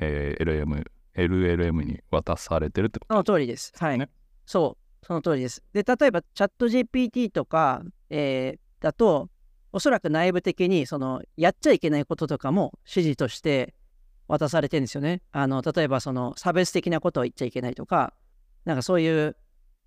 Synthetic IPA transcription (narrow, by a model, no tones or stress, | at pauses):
eeɾɯemɯ̟̰ | eɾɯ̟e̞ɾɯ̟e̞mɯ̟ɲ̟ḭβat̪asaɾe̞t̪e̞ɾɯ̟t̪ːesonot̪o̞ːɾʲid̪e̞sɨ̥hai | so̞ː | so̞no̞t̪o̞ːɾʲid̪esɨ̥d̪̥e̞t̪at̪o̞e̞bat͡ɕat̪ːo̞ʑeːpʲiːt̪ʲiːt̪o̞kaeː | d̪̥at̪o̞ː | so̞ɾakɯ̟naibɯ̟t̪e̞kʲiɲ̟iso̞no̞jatt͡ɕaike̞naiko̞t̪o̞t̪o̞kamo̞ɕiʑit̪o̞ɕi̥t̪e̞ | βat̪asaɾe̞t̪ẽnd̪esɨjone̞ano̞t̪at̪o̞e̞baso̞no̞sabesɨ̥t̪e̞kʲinako̞t̪o̞it̚t͡ɕaike̞nait̪o̞ka̰ | nãŋkaso̞ːjɯ̟ː